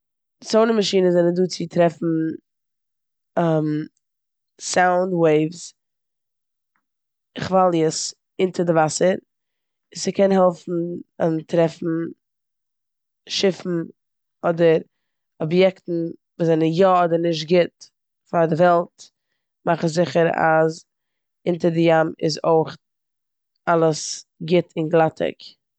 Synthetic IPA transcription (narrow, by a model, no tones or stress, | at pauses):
ɪt͡soʊnəmaʃiːnəzɛnəduːt͡sɪtɾɛfn̩ | m | saʊndweɪvs | χvalˠjəs | ɪntədɪvasəɾ | ɪssɪkʰɛnɦɛlˠfn̩əntɾɛfn̩ | ʃɪfn̩ | ɔdəɾ | ɔbjɛktn̩vuːzɛnənjɔɔdəɾnɪʃ̬t̚ɡɪt | faɾdɪvɛlˠt | maχəszɪχəɾa̰z | ɪntəɾdɪjamɪ̰zoɪχ | alˠəsɡɪtʰɪnɡlˠatʰɪ̰k